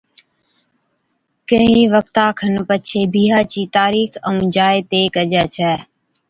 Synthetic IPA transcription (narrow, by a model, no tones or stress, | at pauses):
kəɦĩːʋək̚t̪ãːkʰənpət͡ʃʰeːbiːɦaːt͡ʃiːt̪aːɾiːkəũːd͡ʒaːet̪eːkəd͡ʒɛːt͡ʃʰɛː